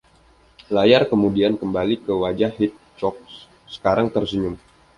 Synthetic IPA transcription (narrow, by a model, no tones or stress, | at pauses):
lajarkəmudiankəmbalikəwad͡ʒahit̪̚t͡ʃɔk̚ | sə̥kaɾaŋt̪ərsəɲʊm